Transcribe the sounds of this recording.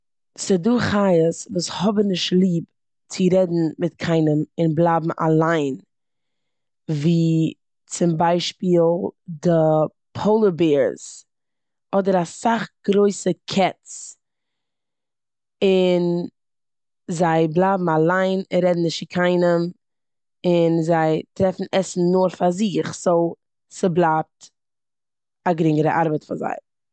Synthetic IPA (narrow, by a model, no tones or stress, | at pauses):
sɪduːχajəsvuːshɔbənɪʃtlˠiːp | t͡sɪɾɛdn̩mɪt̚kʰaɪnəmɪnblˠaːbm̩a̰lˠaɪn | viː | t͡sɪmbaɪʃpiːlˠdə | pʰoʊlˠəbeːɾz̥ | ɔdəɾasaχɡ̥ɾoɪsəkʰɛtt͡s | ɪn | zaɪblˠaːbm̩alˠaɪnɪɾɛdn̩ɪʃɪkʰaɪnəm | ɪnzaɪtɾɛfn̩ɛsn̩noːɾfaɾzɪχzoʊ | sɪblˠaːp̚t | aɡɾɪŋəɾəʔaɾbətfanza̰ɪ